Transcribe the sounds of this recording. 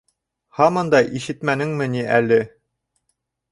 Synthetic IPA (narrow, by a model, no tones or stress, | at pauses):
hɑmɤ̆nd̪ɑjʔiʃɘt̪mænɘŋmɘ̆niʔælɘ